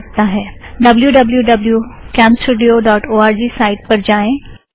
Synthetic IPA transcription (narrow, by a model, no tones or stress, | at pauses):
t̪aɦɛːɖɐbljuɖɐbljuɖɐbljukɛ̃ːmsʈuːɖijoɖɔːʈoːaːɾd͡ʑiːsaːɪʈ̚pɐɾd͡ʑaːẽ